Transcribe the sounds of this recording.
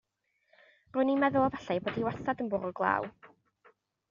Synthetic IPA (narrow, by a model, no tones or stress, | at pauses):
rʊnimɛðʊlˠɔvɛɬajboːdiwɛθadənbʊɾʊɡlˠa̰ːw